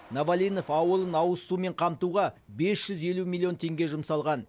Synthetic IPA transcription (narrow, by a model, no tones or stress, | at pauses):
navalʲijno̞fɑwəlˠənɑwəsːume̞ɴqʰɑmt̪uʁɑbe̞sʒ̥ʏze̞lumʲilʲˠijo̞nt̪ʰe̞ŋɡʲe̞ʒʊmsɑlˠʁɑn